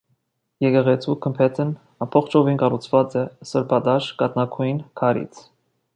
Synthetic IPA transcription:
jɛkɛʁɛt͡sʰukʰəmpʰɛt̪ʰən | ɑpʰɔχt͡ʃʰɔvinkɑrut͡sʰvɑt͡sɛsəɾpʰɑd̪ɑʃkɑt̪nɑkʰujinkʰɑɾḭt͡sʰ

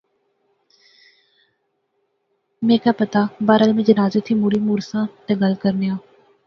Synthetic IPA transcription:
mẽːkaːpət̪aːbaːɾəlmẽːd͡ʒənaːzeːt̪ʰiːmuːɾiːmuːɾsãːt̪eːɡəlkəɾnɪjãː

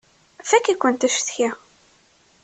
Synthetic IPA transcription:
fækːikʷːənt̪æʃθça

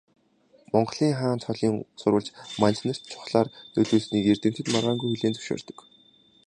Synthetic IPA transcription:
mɔɴɢ̆ɮiːŋχaːnt͡s̪ʰɔɮiːŋsʊɾʊ̆ɮt͡ɕmant͡ɕnə̆r̥t̪t͡ɕʰʊ̥χɮaːrnɵɮoːɮsniːkert̪ɘ̆m̥t̪ʰɘ̆t̪maʁaːŋɡujxɵɮeːnt͡sɵ̥ʃo̰ːrt̪ə̥̆k

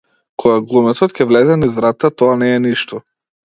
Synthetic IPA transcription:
kʰɔɡaɡlˠumɛt̪ɔt̪cʲɛvlɛzɛnizvɾat̪ːat̪ɔanɛːniʃt̪ɔ

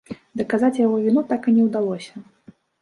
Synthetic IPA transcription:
d̪ɐkazat͡sʲjaɣɔvʲinut̪akɨnʲɛwd̪alˠɔsʲɐ

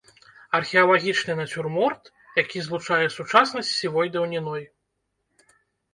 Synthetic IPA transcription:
ɐrxʲɛɐlˠaɣʲit͡ʂnɨnɐt͡sʲurmɔrt̪ | jakʲizlˠut͡ʂajɛsut͡ʂasnɐsʲtʲsʲivɔjd̪ɐwnʲinɔj

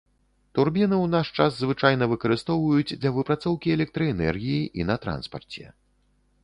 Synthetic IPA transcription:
t̪urbʲinɨwnaʂt͡ʂaszvɨt͡ʂajnɐvɨkɐɾɨst̪ɔwvɐjud͡zʲd̪lʲɐvɨpɾat̪sɔwkʲiɛlʲɛk̚t̪ɾɐɛnɛ̰rɣʲijiʔinɐt̪ɾa̰nspɐrt͡sʲɛ̰

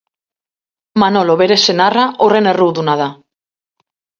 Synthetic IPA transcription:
manoloβeɾesenaraʔoreneruwðunað̞a

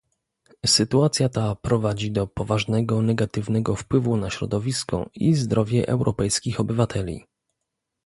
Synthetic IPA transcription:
sɘt̪uat̪sʲjat̪apɾɔvad͡ʑid̪ɔpɔvaʐnɛɡɔnɛɡat̪ɘvnɛɡɔfpwɘvunaɕɾɔ̰d̪ɔvʲiskɔ̰ḭzd̪ɾʔɔvʲjɛʔɛwɾʔɔpɛjskʲixɔbɘvat̪ʰɛlʲḭ

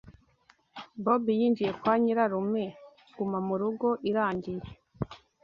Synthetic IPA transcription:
bobijiːnd͡ʒije̞kwaːɲiɾaɾume̞ | ɡ̥umamuɾuɡo̞ʔiɾaːɲɟije

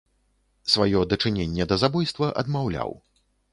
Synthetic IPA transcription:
svajɔd̪ɐt͡ʂɨnʲenʲːɛd̪ɐzabɔjst̪vɐʔɐ̰d̪mawlʲa̰w

